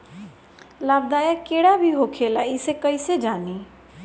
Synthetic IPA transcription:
lab̚d̪ajakeɽabʱiɦokʰelaisekəjsed͡ʒani

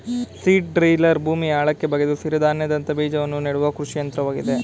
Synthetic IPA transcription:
siːʈ̚ɖɾejlɐɾbʱuːmiaːɭɐkːe̞bɐɡed̪usiɾɐd̪aːnjɐd̪ɐnt̪ɐbiːd͡ʒɐʋɐnːuneɽuʋɐkɾuʂijɐnt̪ɾɐʋaːɡid̪e̞

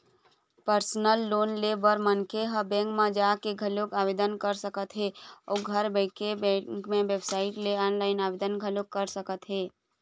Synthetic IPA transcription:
pəɾsnəlːoːnlebəɾmənkʰeɦəbɛ̃ːŋkmãd͡ʒaːkeɡʱɐlokaːʋeːd̪ənkəɾsəkət̪ɦeːɔːɡʱəɾbəɪkebɛ̃kmẽʋebsaːɪʈleɔːnlaːɪnaːʋeːd̪ənɡʱəlokːəɾsəkət̪ɦeː

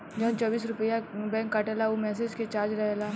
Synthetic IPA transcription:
d͡ʒɐɦãt͡ʃɔːbiːs̬ɾʊpəjabɛ̃ːŋkːaːʈelaomɛːsed͡ʒket͡ʃaːɾd͡ʒɾɐɦela

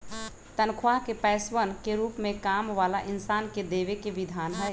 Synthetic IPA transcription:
t̪ənkʰwakepɛsʋənkeɾupmekamʋalaʔinsanked̪eʋekeʋid̪ʱanɦəj

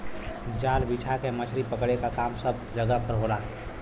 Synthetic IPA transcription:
d͡ʒaːlbit͡ʃʰakemət͡ʃʰɾipəkɽekakaːmsəb̚d͡ʒəɡəpʰəɾɦolaː

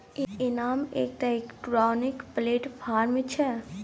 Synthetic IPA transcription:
iɪnaːmḛːk̚ʈ̪akʈɾɔːnɪkpleːʈpʰaːɾmĩt͡ʃʰɛ

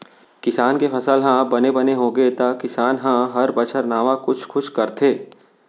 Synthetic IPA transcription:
kɪsaːnkepʰɐsəlɦãbɐnebɐneɦõːɡet̪akɪsaːnɦãɦɐɾbɐt͡ʃʰəɾnaːʋakʊt͡ʃʰxʊʃkɐɾt̪ʰeː

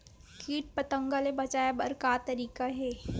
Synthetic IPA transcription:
kiːʈ̚pɐt̪ə̃ŋɡalebɐt͡ʃaːjabɐɾkaːt̪ɐɾiːkaɦɛː

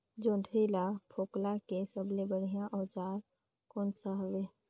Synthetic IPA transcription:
d͡ʒõːdʰʱɾilapʰoːklakesəblebəɽ̤ijãʔɔːt͡ʃaːɾ | koːnsaɦʋe

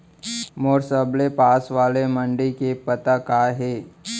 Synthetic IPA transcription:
moːɾsəblepaːsʋaːlemə̃ɳɖikepət̪akaːɦeː

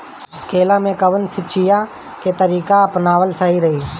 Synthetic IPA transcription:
kʰeːlãːmẽːkəʋənsɪt͡ʃʰɪjãː | keːt̪əɾiːkaəpnaːʋəlsaːɦiɾəɦiː

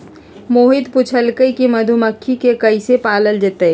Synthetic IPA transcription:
moːɦɪd̪pʊt͡ʃʰəlkəikimɐd̪ʱuməkʰːikekɐisepaːləld͡ʒət̪e

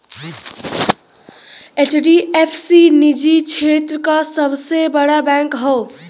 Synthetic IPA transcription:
et͡ʃʰɖiepʰsinid͡ʒit͡ʃʰet̪ɾəkasəbsebəɽabɛ̃ŋkɦɔ

